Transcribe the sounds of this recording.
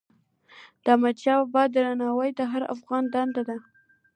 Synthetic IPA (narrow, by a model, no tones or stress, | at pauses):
d̪̥amad̪t͡ʃɑwabɑd̪əɾanɑwəjd̪əɦaɾa̰fɣɑnd̪and̪ad̪a